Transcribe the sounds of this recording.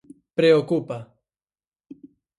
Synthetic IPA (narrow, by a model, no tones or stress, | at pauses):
pɾeokupa